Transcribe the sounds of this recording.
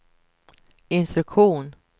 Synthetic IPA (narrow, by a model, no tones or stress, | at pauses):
ɪnst̪ɾɵkɧuːn